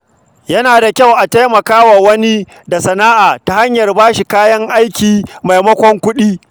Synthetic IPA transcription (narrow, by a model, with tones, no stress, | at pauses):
jɐ˦naː˨da˨kʲa˦wʔa˨ta˦jmɐ˨kaː˦wa˨wɐ˦ni˦ | da˨sɐ˨naː˦ʔaː˨ta˦ha˦ɲjɐ˨rbaː˦ʃi˨kaː˦jɐ˦ŋʔa˦jkʲiː˨ma˨jmɐ˦kʷɔ˦ŋkʷʊ˦ɗiː˦